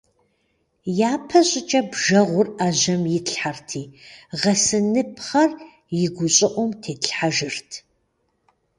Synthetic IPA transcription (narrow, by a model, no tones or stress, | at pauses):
jaːpʰɐɕʼɪt͡ʃʼɐbʒɐʁʷʊraːʒɐmjɪtɬħartʰiːʁɐsɨnɨpʰχɐr | jɪɡʷʊɕʼɪʔʷɔmtʰeːtɬħaʒɨrtʰ